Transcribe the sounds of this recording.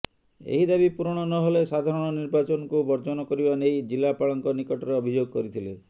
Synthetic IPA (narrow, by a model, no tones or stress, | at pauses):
ḛɦid̪abipuɾɔɽ̃ɔnɔɦolesad̪ʱaɾɔɽ̃ɔniɾbat͡ʃɔnɔkubɔɾd͡ʒɔnɔkɔɾibanejd͡ʒilapaɭɔŋkɔnikɔʈɔɾeɔbʱid͡ʒoɡɔkɔɾit̪ʰile